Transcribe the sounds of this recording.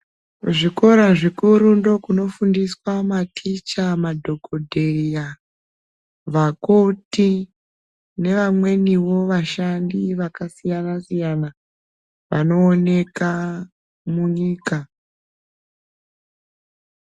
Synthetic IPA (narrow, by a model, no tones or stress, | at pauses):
ʐiko̞ɾaʐikuɾundo̞kuno̞fundiswamatʰit͡ʃamadʱo̞kodʱeja | ʋakoti | ne̞ʋamwe̞niwo̞ʋaʃandiʋakasijanasijana | ʋano̞ːne̞ka | muɲiːka